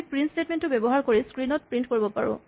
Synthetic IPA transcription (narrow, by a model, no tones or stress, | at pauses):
pɹinstetmentːʊbebɔɦaɹkoɹiskɹinɔt̚pɹintkoɹibɔpa̰ɹʊ̰̃